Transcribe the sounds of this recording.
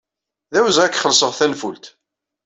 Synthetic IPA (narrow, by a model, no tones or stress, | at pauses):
ðæwzʁækːχəlsəʁθænfult̪